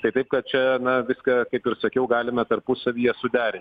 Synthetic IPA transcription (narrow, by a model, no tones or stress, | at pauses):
t̪ɐɪt̪ɐɪp̚kɐt̪̚t͡ʃʲɛnɐʋʲɪskɑkɐɪpɪɾsɐkʲɛʊɡɑːlʲɪmɐt̪ɐrpʊsɐʋʲijɛsʊd̪ʲæːɾʲɪnʲtʲ